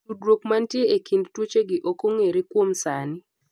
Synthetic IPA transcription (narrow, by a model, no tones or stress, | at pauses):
udɾokmantjeekindtwot͡ʃeɡɪʔokoŋeɾikwomsanɪ